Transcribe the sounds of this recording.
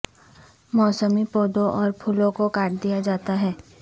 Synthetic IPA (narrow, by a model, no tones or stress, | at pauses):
mɔːsəmipoːd̪õʔɔːɾpʰuːlõkokaːʈ̚d̪ijad͡ʒaːt̪aɦɛː